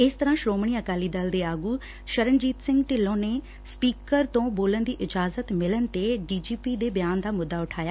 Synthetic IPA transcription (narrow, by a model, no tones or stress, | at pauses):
ɪst̪əɾãːʃɾoːmɳ̃iːəkaːliːd̪əld̪eːaːɡuː | ʃəɾənd͡ʒiːt̪sɪ̃ŋɡʈɪlːõːneː | spiːkəɾt̪õːboːlənd̪iːʔɪd͡ʒaːzət̪mɪlənt̪eːɖiːd͡ʒiːpiːd̪eːbɪjaːnd̪aːmʊd̪ːaːʊʈʰaːjaː